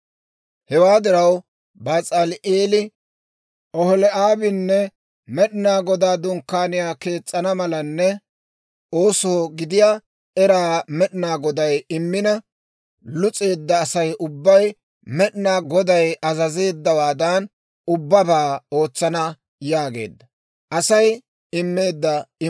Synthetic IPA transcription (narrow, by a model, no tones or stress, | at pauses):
hɛwaːd̪ɪɾɐw | baːt͡sʼɐlʔeːlɪ | ɔhɔlɛʔaːbɪnːɛ | mɛɗɪnaːɡɔd̪aːd̪ʊŋkːaːnɪjaːke̞ːt͡sʼːɐnɐmɐlɐnːɛ | o̞ːsɔɡɪd̪ɪjaː | ɛɾaːmɛɗɪnaːɡɔd̪ɐjɪmːɪnɐ | lʊt͡sʼe̞ːd̪ːɐːsɐjʊbːɐj | mɛɗɪnaːɡɔd̪ɐjɐzɐze̞ːd̪ːɐwaːd̪ɐn | ʊbːɐbaːo̞ːt͡sːɐnɐ | jaːɡe̞̰ːd̪ːɐ | ʔɐsɐj | ɪmːe̞ːd̪ːɐɪ